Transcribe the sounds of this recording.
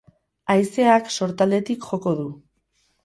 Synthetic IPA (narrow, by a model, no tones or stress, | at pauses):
ajse̞akso̞ɾt̪ald̪e̞t̪ikʝo̞ko̞ð̞u